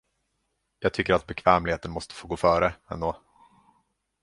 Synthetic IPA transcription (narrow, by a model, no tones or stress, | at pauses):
jɑːɡ̚t̪ʰʏkːəɾat̪̚bɛkʰvɛːmlɪheːt̪ənmɔst̪ə̥foːɡoːfœːɾəɛ̰nd̪oː